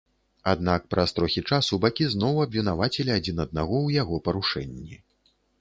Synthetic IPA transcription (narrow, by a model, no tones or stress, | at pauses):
ad̪nak̚pɾʔɐst̪ɾɔxʲit͡ʂasubakʲiznɔwɐbʲvʲinavat͡sʲɪlʲiad͡zʲin̪ɐd̪̚naɣɔwjaɣɔpɐɾuʂɛnʲːi